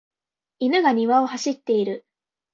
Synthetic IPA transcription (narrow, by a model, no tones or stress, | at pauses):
inɯ̟ɡaɲ̟iβao̞haɕit̪ːe̞iɾɯ̟